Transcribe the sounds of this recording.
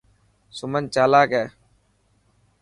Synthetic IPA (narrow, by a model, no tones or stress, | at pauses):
sʊmənt͡ʃaːlaːkɛː